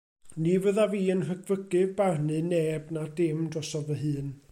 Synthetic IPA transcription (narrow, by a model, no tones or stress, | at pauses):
nivəðaviːənrəɡʰvəɡɨvbarnɨnɛbnadɪmdrɔsɔvəɦɨːn